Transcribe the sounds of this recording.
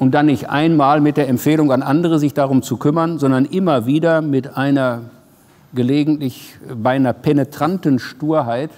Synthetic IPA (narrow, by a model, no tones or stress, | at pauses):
ʔʊnt̚d̥anːɪçtʔa̰ɪnmaːlmɪt̚d̥eːɐɛmfeːlʊŋanʔandəʁəzɪçd̥aʁ̞ʊmt͡sukʰʏmɐnzɔndɐnʔɪmɐviːdɐmɪtʔaɪnɐ | ɡ̥əleːɡŋ̩tlɪçbaɪnɐpʰɛnetʁ̥antənʃtuːɐɦaɪt